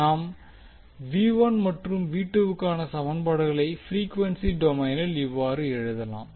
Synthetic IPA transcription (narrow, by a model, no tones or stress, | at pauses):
aːm | ʋiːʋɐnmɐʈrɯmʋiːʈːɯʋɯkːaːnɐsɐmɐnbɐɽɯɣɐɭɐɪfɾiːkʋɐnsiɖɔmɐɪnɪlɪʋːaːɾɯɛɻɯðɐlã̰ːm